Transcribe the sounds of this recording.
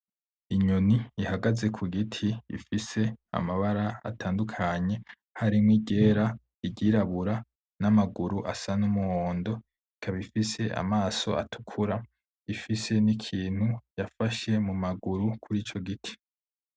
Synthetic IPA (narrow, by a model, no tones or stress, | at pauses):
iɲoniihaɡaze̞kʰuɡitʰiḭfise̞a̰maβaɾaa̰tʰaːndukʰaɲe̞ | haɾimŋiɟe̞ːɾa | iɟiɾaβuɾa | namaɡuɾuʔa̰sanumuoːndo̞ | ikʰaβifise̞ʔa̰maːso̞̰ʔa̰tu̥kʰuɾa | ifise̞nikʰiːn̥hujafaʃe̞mumaɡuɾukʰuɾiːt͡ʃo̞ɡitʰi̥